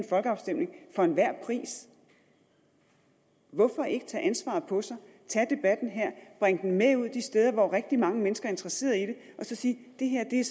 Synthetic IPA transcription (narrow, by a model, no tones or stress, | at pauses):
nfɒ̽lɡ̥əɑ̈ʊsd̥em̰ne̝ŋfɒ̽e̝nʋæɐ̰pʰʁḭːs | ʋɒ̽fɒ̽æe̝ɡ̥ə̥t͡sʰɛ̰ːʔænsʋɑ̰̈ːð̩ˠpʰɒ̽sɑ̈ɪ | t͡sʰæd̥e̝b̥æd̥n̩ɦæɐ̰b̥ʁaŋ̰d̥n̩meuð̞̰ˠd̥isd̥eːð̞ˠɐʋɒʁeɡ̥̚d̥imɑ̈ŋəmenəsɡ̥ɐæe̝nd̥ʁɐse̝̰ːɐðˠid̥e̝ʔɒ̽sɒ̽siːd̥e̝ɦeɐ̰d̥e̝æɐ